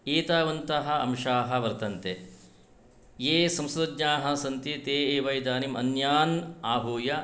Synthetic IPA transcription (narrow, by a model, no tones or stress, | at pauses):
eːt̪aːʋɐnt̪ɐɦɐ̆ɐ̰mʃaːɦɐ̆ʋɐɾt̪ɐnt̪e | jeːsɐmsɾɐd̪ɲaːɦɐ̆sɐnt̪it̪eːeːʋɐjd̪aːnimɐnjaːnaːɦuːjɐ